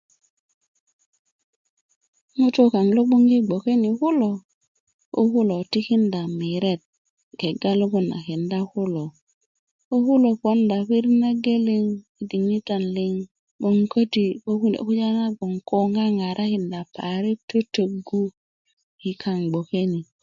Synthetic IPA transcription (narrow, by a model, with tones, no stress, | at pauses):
ŋu˦to˦ka˨ŋlo˦ɓo˦ŋɡi˦ɡ͡bo˨ke˦ni˨ku˦lo˨ | o̰˦ku˦lo˨ti˦ki˦nda˨mi˨ɾe˦˨t̚ | ɡe˨ɡa˦lo˦ko˦na̰˨ki˨nda˦ku˦lo˨ | o˦ku˦lo˨po˦nda˨pi˦ɾna˦ɡe˦li˦ŋi˨˦di˨ŋi˦ta˨nli˦ŋ | ɓo˦ŋko˦ti˦o˦u˦˨˦ku˦ja˦na˦bo˨ŋko˦ŋa˦ŋa˨ɾʔa˦ki˨nda˨pa˨ɾi˦to˦to˨ɡu˦ | ki˨kʰa˨ŋɡ͡bo˨ke˦ni˨